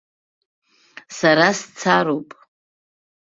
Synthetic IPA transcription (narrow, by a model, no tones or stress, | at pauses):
saɾast͡sʰaɾowpʼ